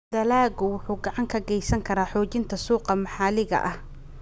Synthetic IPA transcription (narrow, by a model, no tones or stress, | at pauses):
d̪ɐlaːɣʊwʊħuːɡɑʕɑŋkʰɐɡɛjsɐŋkʰɐɾaːħɔːt͡ʃɪnt̪ʰɐsuːqɑmɑħɑːlɪɣɐ̰ʔɐh